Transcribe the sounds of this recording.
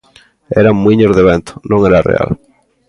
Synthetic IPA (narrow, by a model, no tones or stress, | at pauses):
ɛɾaŋmːwiɲozðeβent̪ʊ̥nõŋɛɾarḛa̰l